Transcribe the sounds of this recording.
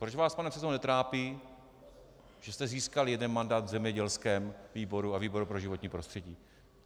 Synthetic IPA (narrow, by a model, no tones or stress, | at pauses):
pɾot͡ʃvaːspanɛpsɛznɛt̪ɾaːpiː | ʒ̥ɛst̪ɛziːskaljɛdɛnmandaːt̪vzɛmɲɛɟɛlskɛːmviːbo̞ɾuaviːbo̞ɾupɾoʒɪvo̞t̪ɲiːpɾo̞st̪r̥ɛɟiː